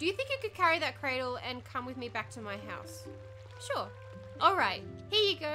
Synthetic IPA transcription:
d̥ɨjɨθɪ̃ŋkɨt̚kɨd̥̚kʰæɹiðɨt̚kʰɹ̥eɪɾl̩ˠɨ̃nkʰʌ̃mwɨðmibæk̚tʰɨmaɪɦaʊs | ʃʊɹ | ʔɔlˠɹaɪt̚hiəjɨɡo

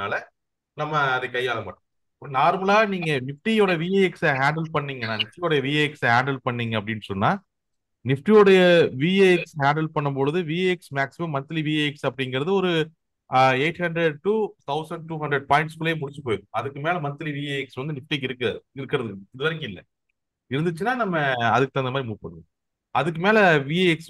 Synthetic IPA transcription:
aːlɐ | nɐmːɐːðɯkɐjːaːlɐma̰ːʈːʊ̃ | naːɾmɐlaːniːŋɡɐnɪfʈioːɽɐjɐʋiːeɛksɐɦaːɳɖɛlpɐɳːiːŋɡɐnãːnɪfʈɪjoːɽɐjɐʋiːeːɛksɐɦaːɳɖɐlpɐɳːiːŋɡɐpːɐɽɪnːɯsɔnːaː | nɪfʈioːɽɐjɐʋieɛkshaːɳɖɐlpɐɳːɯmpɔɻɯðɯʋieɛksmaːksɪmɐmːɐnt̪ːɐliʋiːeːɛksɐpːɐɽɪŋɡɪɾɐðɯɔɾɯ | eɪʈhɐɳndɾɛɖ̚ʈuːt̪ʰɐʊsɐɳɖʈuːɦɐɳdɾɛɖ̚paːɪɳʈskɯlːɐeːmʊɽɪɲt͡ʃɯpoːjðɯ̃ɐðɯkːɯmeːlɐmɐnt̪ːɐliʋiːeːɛksʋɐnd̪ɯnɪfʈik̬ːɪɾɯkːɪɾɯkːɪɾɐðɯɪðɯʋɐɾɪŋkɯɪlːɛ̰ | ɪɾɯnd̪ɯt͡ʃːɯnːaːnɐmːɐɐðɯkːɯt̪ɐnd̪ɐmaːdɾimuːʈ̚pɐɳːɯŋɡ | ɐðɯkːɯmeːlɐʋiːeɛks

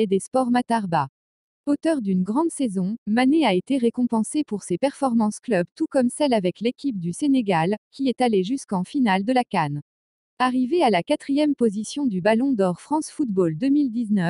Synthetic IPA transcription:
ed̪espɔʁmat̪aʁba | ot̪œʁd̪ynɡʁɑ̃d̪sezɔ̃maneaet̪eʁekɔ̃pɑ̃sepuʁsepɛʁfɔʁmɑ̃sklœbt̪ukɔmsɛlavɛklekʲip̚d̪yseneɡalkʲiɛt̪aleʒyskɑ̃finald̪əlakan | aʁivealakat̪χijɛmpozisjɔ̃d̪ybalɔ̃d̪ɔʁfχɑ̃sfut̪bold̪əmild̪iznœ

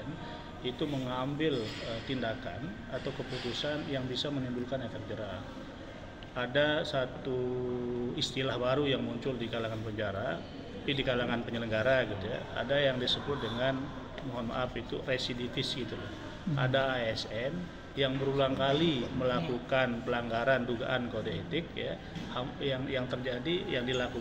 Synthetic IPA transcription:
n | it̪uməŋambɪlət̪indaka̰n | at̪awkəput̪usanjaŋbisaməŋimbulkanakak̚d͡ʒəɾaa | adasat̪u | ist̪ilahbaɾujaŋmuɲt͡ʃʊldikalaŋanpəɲd͡ʒaɾa | apidikalaŋanpəɲələŋɡaɾaɡit̪uja̰a̰dajaŋdisəbʊt̪̚dəŋan | muɦana̰ʔapit̪ṵresidit̪ɪsɡit̪ulah | a̰daːɛsɛn | jaŋbəɾuluaŋkaliməlakukanpəlaŋɡaɾanduɡa̰ʔankodiet̪ɪk̚ja̰ | hajaŋjaŋt̪ərd͡ʒadijaŋdilaku

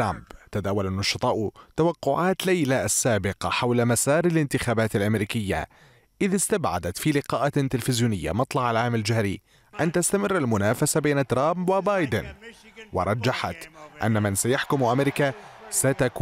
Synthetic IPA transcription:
ɾˤambt̪ad̪aːwalanːʊʃɑt̪ˤɑːʔt̪awɑqːʊʕaːt̪lajlaʔasːaːbɪqɑħawlamasɑːɾɪlɪnt̪ɪxaːbaːt̪alʔamɾiːkɪjːa̰ | ʔɪðɪst̪abʕa̰d̪at̪filɪqɑːʔat̪ɪlfɪzjuːnɪjːa̰mɑt̪ˤlɑʕalʕaːmald͡ʒahɾi | ʔant̪ast̪amɪrːalmʊnaːfasabeːnat̪ɾˤamwɪbaːjd̪ɪnwɪ̰ɾˤɑd͡ʒːaħat̪ʔa̰nːamɪnsajaħkʊmʔamɪɾɪkasat̪akː

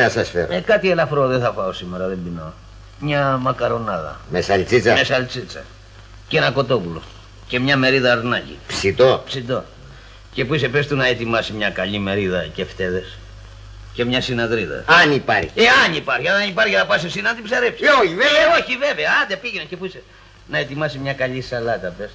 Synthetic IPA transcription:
nɐsɐsfḛɾoekɐt̪ielɐfɾoðeθɐfɐosimeɾɐðembino | mɲɐmɐkɐɾo̞nɐðɐ̰mesɐlt͡sit͡sɐmesɐlt͡sit͡sɐ̰ | cenɐko̞t̪o̞pulo̰ | ce̞mɲɐme̞ɾiðɐːɾnɐcḭpsit̪opsit̪o̞̰ | ce̞puis̬epe̞st̪unɐet̪imɐsimɲɐkɐʎime̞ɾiðɐce̞ft̪e̞ðe̞s | ce̞mɲɐsinɐðɾiðɐ̰ɐnipɐɾçieɐnipɐɾçiɐnɐnipɐɾçinɐpɐsisinɐnt̪ibsɐɾepsi̥eoçivevoçiveveɐɐnd̪epiʝenɐcepuise | nɐet̪imɐsimɲɐkɐʎisɐlɐt̪ɐpest̪

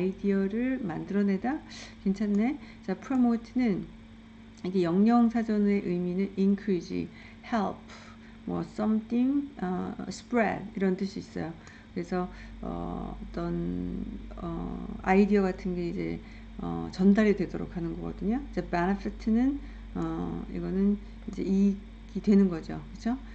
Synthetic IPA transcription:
aidiʌɾɯɭmandɯɾʌne̞dakent͡ɕʰanːe̞ | t͡ɕapʰɾomotʰɯnɯn | iɡejʌŋɲʌŋsʰad͡ʑʌne̞ʔɯjminɯninkʰɯɾid͡ʑḭ | heɭpʰ | mwʌ̰s͈ʌmtʰiŋʌsʰɯ̥pɾḛdiɾʌnt͈ɯɕʰiːs͈ʌ̰jo | kɯɾe̞sʰʌʌ̰ʌ̰t͈ʌn | ʌ̰aidiʌɡatʰɯnɡe̞id͡ʑe̞̰ | ʌ̰t͡ɕʌndaɾidwe̞doɾo̰kʰanɯnɡʌɡʌdɯɲoid͡ʑe̞benepʰitʰɯnɯn | ʌḭɡʌnɯn | id͡ʑe̞̰i | ɡidwe̞nɯnɡʌd͡ʑokɯt͡ɕʰo

